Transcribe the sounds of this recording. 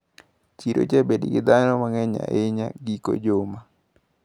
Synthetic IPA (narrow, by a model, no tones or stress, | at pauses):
t͡ʃiɾo̰t͡ʃebediɡɪd̪anɔmaŋɛɲa̰ʔɪɲaɡiko̰d͡ʒoma